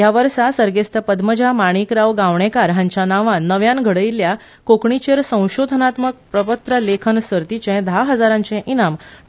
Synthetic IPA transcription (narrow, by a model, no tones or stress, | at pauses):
jaʋəɾsasəɾɡest̪ʰəpəd̪məd͡ʑʱamaɽ̃ikɾaʋɡaʋɳ̃ekaɾɦãɲt͡ɕjanaʋãnəʋjanɡʱəɽəjlːja | kokɳit͡ɕeɾsə̃w̃ɕod̪ʱənat̪mək̚pɾəpət̪ɾəlekʰənsəɾt̪it͡ɕɛ̃d̪ʱaɦəd͡zaɾãɲt͡ɕɛ̃ʔinam